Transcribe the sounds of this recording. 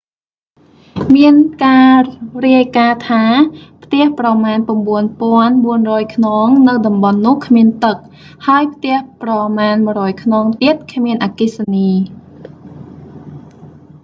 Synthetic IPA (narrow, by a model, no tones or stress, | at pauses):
miənkaːriəjkaːt̪ʰaːpʰt̪ɛ̆əhprɑmaːnp̆əmɓuənpŏənɓuənrɔːjkʰnoːŋnɨwɗɑmɓɑnːʊ̆əhkʰmiənt̪ɨk̚ | haəjpʰt̪ɛ̆əhprɑmaːnmɨ̆ərɔːjkʰnoːŋt̪iət̪̚kʰmiənʔaːkisaniː